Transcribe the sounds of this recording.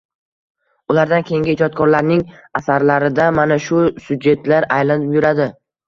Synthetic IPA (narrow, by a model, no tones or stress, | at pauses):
ʊlaɾd̪ankʲʰe̞jŋɡɪːd͡ʒɒt̪̚kʰɒɾlaɾnɪŋasaɾlaɾɪd̪amanaʃʊsʊd͡ʒe̞t̪laɾajlanɪpjʊɾad̪ɪ